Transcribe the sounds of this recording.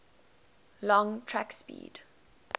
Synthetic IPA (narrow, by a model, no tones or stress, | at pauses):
lɔ̃ŋtʰɹakspḭːd̥